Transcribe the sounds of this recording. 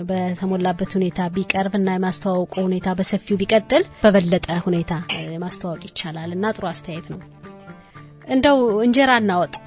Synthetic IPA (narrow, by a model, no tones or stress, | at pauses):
bət̪ʰəmolːabːət̪hune̞t̪ʰabikʼəɾbɨnːajɛmast̪ʰawawɔkʼuhune̞t̪ʰabəsəfiubikʼət̪ʼːɨlb̥əβəlːət̪ʼəhune̞t̪ʰajɛmast̪ʰəwɔkʼjɪt͡ʃːalalɨnːat̪ʼɨɾoast̪ʰəjajɛt̪nəw | ʔɨnd̪əwɨnd͡ʒɛɾanːawɔt̪ʼ